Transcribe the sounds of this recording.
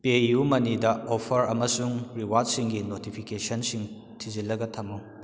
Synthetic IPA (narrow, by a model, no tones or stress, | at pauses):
pejumɐnidɐopʰɐɾɐmɐsuŋɾiwat̚siŋɡinotipʰikesɐnsiŋ | tʰizilːɐɡɐtʰɐmu